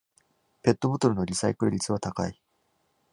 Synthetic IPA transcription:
pe̞t̪ːo̞bo̞t̪o̞ɾɯ̟no̞ɾʲisaikɯ̟ɾɯ̟ɾʲit͡sɨβat̪aka̰i

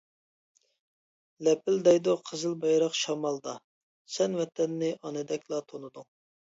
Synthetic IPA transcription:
lɛpɪld̪ɛjd̪oqʰəzɨlˠbɑjɾɑqʃɑmɑlˠd̪ɑ | sɛnwɛt̪ʰɛnːɪʔɑnɨd̪ɛkʲlˠɑt̪ʰonud̪uŋ

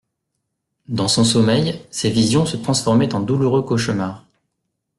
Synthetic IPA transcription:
d̪ɑ̃sɔ̃sɔmɛjsevizjɔ̃sət̪χɑ̃sfɔʁmɛt̪ɑ̃d̪uluʁøkɔʃmaːʁ

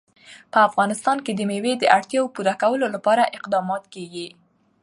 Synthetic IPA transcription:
pəafɣɑnɪst̪ɑnked̪əmewed̪əʔaɽt̪jɑwpuɾakawəlolapɑɾaʔɪqd̪ɑmɑt̪keɡi

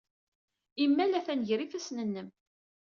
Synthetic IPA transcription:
imːælæθænʝɾifæsnənːəm

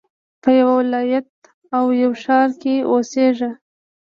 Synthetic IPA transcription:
pəjawawɪlɑjat̪̚ | awjawʃɑɾkeosea

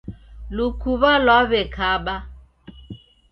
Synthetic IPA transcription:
lukuβalwaβɛkʰaɓa

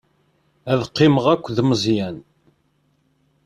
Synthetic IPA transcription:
æðqːɪməʁækʷːðməzˤjæn

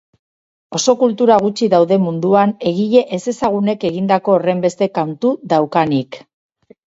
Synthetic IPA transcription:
o̞so̞kult̪uɾaɣ̞ut͡ʃiðawðe̞mund̪uane̞ɣ̞iʎe̞ʔese̞saɣ̞une̞ke̞ɣind̪ako̞ːre̞mbe̞st̪e̞kawnt̪uðawkanik

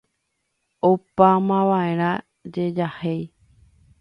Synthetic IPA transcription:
opamãʋãẽ̞ɾ̃ã | d͡ʒe̞d͡ʒahej

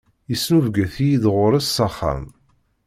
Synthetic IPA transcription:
isːnuvɡæθijiðʁʊɾˤæsːɑχːæ̰m

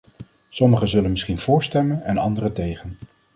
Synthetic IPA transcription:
sɔməχəzɵlənmɪsχinv̥ʊːɹstɛmənɛnɑndərətejχən

